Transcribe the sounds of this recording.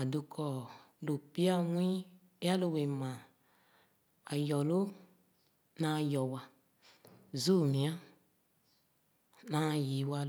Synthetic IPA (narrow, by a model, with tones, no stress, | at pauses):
a˨du˨kʰɔ˨ | lo˨pi˦a˦wʷĩ˦ | a˦lo˨we˨mã˨ | a˨jɔ˨lo˦ | na˨jɔ˨wa˨ | zu˦˨mĩ˨a˦ | nã˦˨ji˨˦wa˧l